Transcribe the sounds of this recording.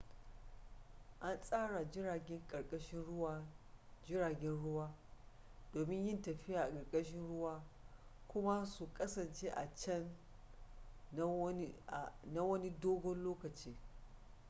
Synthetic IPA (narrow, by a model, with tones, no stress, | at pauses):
ʔa˦nsʼaː˦ɽa˨d͡ʒɪ˦ɽaː˨ɡʲɛ˦ŋkʼɐ˨ɽkʼɐ˦ʃɪ˦nɽwd͡ʒɪ˦ɽaː˨ɡʲɛ˦nɽʊ˦waː˦ | doː˨mɪ˦ɲjɪ˦ntɐ˨ɸɪ˦jaː˨ʔa˨kʼɐ˨ɾkʼɐ˦ʃɪ˦nɽʊ˦waː˦ | kʷʊ˦ma˦su˨kʼɐ˦sɐ˨nt͡ʃeː˦ʔa˨t͡ʃɐ˦n˦˨ | na˦wɐ˦ni˦doː˦ɡɔ˦nloː˦kɐ˨t͡ʃiː˦